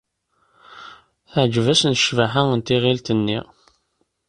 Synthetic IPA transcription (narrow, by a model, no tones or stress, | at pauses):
θəʕd͡ʒvæsənəʃvæħaənt̪iʁilt̪ənːḭ